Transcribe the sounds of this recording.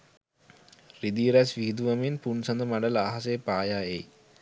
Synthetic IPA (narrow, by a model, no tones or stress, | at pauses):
rid̪iːɾæsʋiɦid̪uʋaminpunsand̪əmaɖələaɦas̬eːpaːjaːej